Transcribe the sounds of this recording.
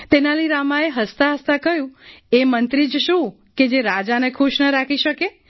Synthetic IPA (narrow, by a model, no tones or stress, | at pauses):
t̪enaləiɾamaeɦəst̪aɦəst̪akəjũemənt̪ɾid͡ʒʃũ | ked͡ʒeɾad͡ʒanekʰuʃnəɾakʰiʃəke